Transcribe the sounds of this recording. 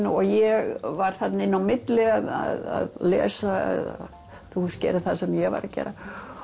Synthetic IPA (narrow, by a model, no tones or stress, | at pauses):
nɔɣjɛɣvaɾ̥θat̪naɪɪnawmɪt̪lɪaða̰ða̰ðlɛ̰ːsaa̰ð | θuscɛ̰ːɾɪθasɛmjɛva̰ɾacɛ̰ːɾa